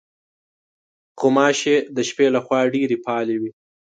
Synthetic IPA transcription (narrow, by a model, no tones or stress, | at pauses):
qomɑʃed̪əʃpelaxwɑɖeɾepʰɑlewi